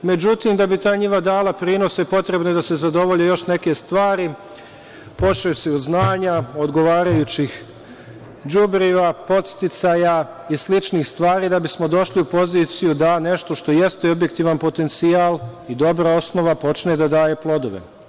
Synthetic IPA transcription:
me̞d͡ʑut̪iːmd̪abit̪aːjɲiʋad̪aːlˠapɾiːno̞sepo̞t̪ɾe̞bnod̪ase̞zad̪o̞ʋo̞ʎejo̞ʃne̞ke̞st̪ʋaːɾi | po̞t͡ʃeseod̪znaːɲao̞d̪ɡo̞ʋaːɾajut͡ɕix | d͡ʒubɾiʋapo̞t̪st̪it̪saːja | islit͡ʃniːxst̪ʋaːɾiːd̪abismod̪o̞ʃliupo̞ziːt̪sijud̪ane̞ʃt̪o̞ʃt̪o̞je̞st̪eo̞bje̞k̚t̪iːʋanpo̞t̪e̞nt̪siaːlˠid̪o̞bɾao̞sno̞ʋapo̞t͡ʃned̪ad̪aːje̞plˠo̞d̪o̞ʋe̞̰

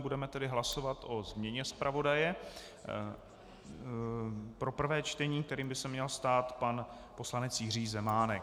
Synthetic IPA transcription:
budɛmɛt̪ɛdɪɦlaso̞vat̪ʔo̞zmɲɛɲɛspɾʔavo̞dajɛ | pɾo̞pr̩vɛːt͡ʃt̪ɛɲiːk̚t̪ɛɾiːmbɪsɛmɲɛlst̪aːt̪pan | po̞slanɛt͡sjɪriːzɛmaːnɛk

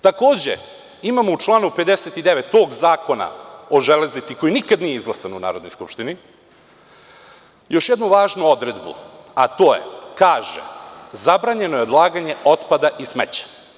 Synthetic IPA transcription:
t̪ako̞ːd͡ʑḛ | imamout͡ʃlˠaːnupe̞d̪eset̪id̪eʋet̪ːo̞ːɡzaːko̞na̰o̞ʒele̞znit̪siko̞jinikad̪nijeizlˠasanuna̰ːɾod̪nojskupʃt̪ini | jo̞ʃjed̪nuʋaːʒnuo̞d̪ɾe̞d̪bṵat̪o̞ːje̞̰kaːʒḛzabɾaːɲe̞no̞jeo̞d̪lˠaːɡaɲe̞o̞t̪pad̪aʔismet͡ɕḁ

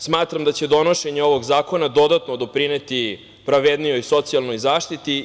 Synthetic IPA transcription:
smaːt̪ɾamd̪at͡ɕe̞d̪o̞noʃe̞ɲeo̞ʋo̞ɡzaːko̞nad̪o̞d̪at̪nod̪o̞pɾine̞t̪i | pɾaʋe̞d̪nijo̞jso̞t̪sialno̞jzaːʃt̪it̪i

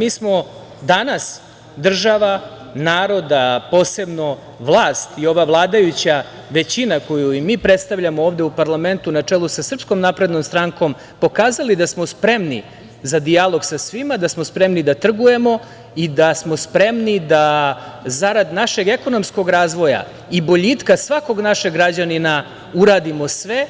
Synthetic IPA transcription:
miːsmo̞ | d̪anas | d̪r̩ʒaʋa | naːɾo̞d̪apo̞ːse̞bno̞ | ʋlˠaːst̪io̞ʋaʋlˠaːd̪ajut͡ɕa | ʋe̞t͡ɕinako̞juimiːpɾet̪st̪aʋʎamooːʋd̪eupaɾlˠame̞nt̪unat͡ʂelˠusasr̩pskomnapɾe̞d̪nomst̪ɾaŋko̞m | po̞kaːzalid̪asmospɾe̞mnḭ | zad̪ijalˠo̞ɡsasʋimad̪asmospɾemnid̪at̪r̩ɡuje̞mo̞ | id̪asmo̞spɾe̞mnid̪azaɾad̪naʃe̞ɡe̞ko̞no̞msko̞ɡɾaːzʋo̞ja̰ | ibo̞ʎit̪kasʋako̞ɡnaʃeɡɾad͡ʑanina | uɾaːd̪imo̞sʋe̞

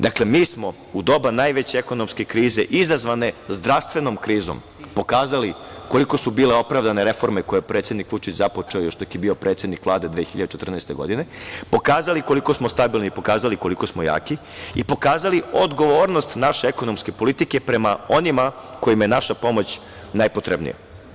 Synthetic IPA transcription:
d̪akle̞miːsmo̞ | ud̪o̞banajʋet͡ɕeeko̞no̞mske̞kɾiːze̞ʔizazʋane̞zd̪ɾast̪ʋe̞no̞mkɾiːzo̰m | po̞kaːzaliko̞liko̞subiːle̞o̞pɾaʋd̪ane̞ɾe̞fo̞ɾmeko̞jepɾet̪sjed̪nikʋut͡ʃit͡ɕzapot͡ʂeojoʃt̪okjebio̞pɾʔet̪sjed̪nikʋlˠaːd̪e̞d̪ʋeːxiʎad̪et͡ʃet̪rnɛjst̪e̞̰ɡo̞̰d̪ine̞po̞kaːzaliko̞liko̞smost̪abilˠniːpo̞kaːzaliko̞liko̞smoja̰ːki | ipo̞kaːzaliod̪ɡo̞ʋoːɾno̞st̪naʃeeko̞nomske̞po̞lit̪ikepɾe̞mao̞nimako̞jimje̞naʃapo̞mo̞t͡ɕ | najpo̞t̪ɾebnḭja̰

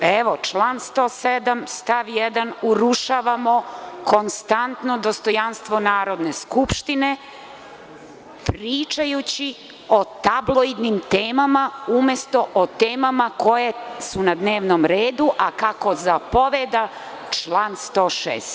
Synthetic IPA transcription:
eʋo̞t͡ʃlˠaːnst̪oːsed̪amst̪aʋjɛd̪anuɾuʃaːʋamo̞ko̞nst̪ant̪no̞d̪ost̪o̞janst̪ʋo̞naːɾo̞d̪neskupʃt̪ine̞ | pɾiːt͡ʃajut͡ɕi | ot̪ablˠoid̪nimt̪eːmamaumjest̪o̞ʔot̪eːmamako̞jesunad̪neːʋnomɾeːd̪uʔakako̞zapo̞ʋed̪a | t͡ʃlˠaːnst̪o̞ːʃḛːst̪

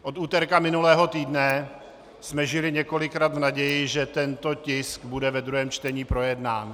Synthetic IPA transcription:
ʔo̞t̪uːt̪ɛɾkamɪnulɛːɦo̞t̪iːdnɛ | smɛʒɪlɪɲɛko̞lɪkɾaːd̪vnaɟɛjɪʒɛt̪ɛnt̪o̞cɪskbudɛvɛd̪ɾuɦɛːmt͡ʃt̪ɛɲiːpɾo̞jɛdnaːn

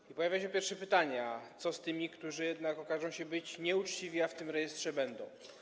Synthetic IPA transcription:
ipɔjavʲjaɕɛpʲjɛɾfʂɛpɘt̪aɲat̪sɔst̪ɘmʲikt̪uʐɨjɛd̪nakɔkaʐɔ̃w̃ɕɛbɘt͡ɕɲɛut͡ʂt͡ɕivʲiaft̪ɘmɾɛjɛst̪ʂɛbɛnd̪ɔ̃w̃

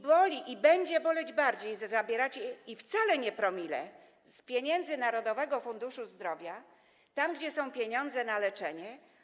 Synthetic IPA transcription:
bɔlʲiʔibɛɲd͡ʑɛbɔlɛd͡ʑbaɾd͡ʑejzzabʲjɛɾat͡ɕɛift̪salɛɲɛpɾɔmʲilɛ̰ | spʲjeɲɛnd̪zɘnaɾɔd̪ɔvɛɡɔfund̪uʂuzd̪ɾɔvʲja | t̪amɡd͡ʑɛsɔ̃w̃pʲjeɲɔ̃nd̪zɛnalɛt͡ʂɛɲɛ

